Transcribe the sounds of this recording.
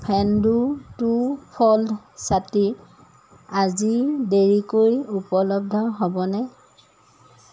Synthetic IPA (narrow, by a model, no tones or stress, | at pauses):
pʰɛndutupʰɔld | sati | azideɹikojupɔlɔb̚dʱɔɦɔbɔnɛ